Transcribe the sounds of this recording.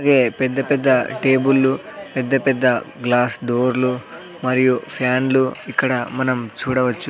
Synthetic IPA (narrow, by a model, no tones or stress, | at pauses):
ɡe̞ːpɛd̪ːɐpɛd̪ːɐʈe̞ːbulːupɛd̪ːɐpɛd̪ːɐɡlaːsɖoːɾlu | mɐɾijupʰjaːnluikːɐɽɐmɐnɐmt͡ʃuːɽɐʋɐt͡ʃːu